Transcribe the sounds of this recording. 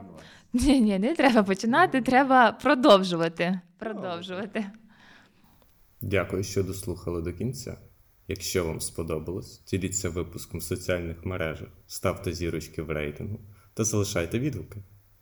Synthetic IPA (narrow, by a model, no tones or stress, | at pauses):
nʲinʲinɛt̪ɾɛbɐpɔt͡ʃɪnɑt̪ɪt̪ɾɛbɐpɾɔd̪ɔwʒʊʋɐt̪ɪpɾɔd̪ɔwʒʊʋɐt̪ɪ | dʲakʊjʊʃt͡ʃɔd̪ɔslˠuxɐlˠɪd̪ɔkʲinʲt͡sʲːa̰ | jɐkʃt͡ʃɔʋɑ̰mspɔd̪ɔbɪlˠɔsʲdʲilʲit͡sʲːɐʋɪpʊskɔmsɔt͡sʲiɑlʲnɪxmeɾɛʒɐxst̪ɑwt̪ɛzʲiɾʊt͡ʃkɪwrɛjt̪ɪnɦʊt̪ɐzɐlˠɪʃɑjt̪ɛʋʲid̪ʋʊkɪ